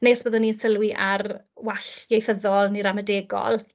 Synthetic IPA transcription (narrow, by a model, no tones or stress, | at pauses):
neːsb̥əːðʊnːinsəlˠwiʔarwaɬjejθəðɔlˠniɾamədeːɡɔ̰lˠ